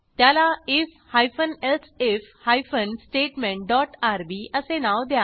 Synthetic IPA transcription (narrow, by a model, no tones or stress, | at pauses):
t̪jaːlaɪf | haːjfʰənelsefhaːifʰənsʈeːʈmẽɳʈ̚ɖɔːʈaːɾbiːəsenaːwd̪jaː